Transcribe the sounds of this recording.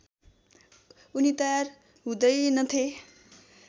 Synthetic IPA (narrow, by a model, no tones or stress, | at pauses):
unit̪ʌjar | ɦũd̪ʌjnʌt̪ʰe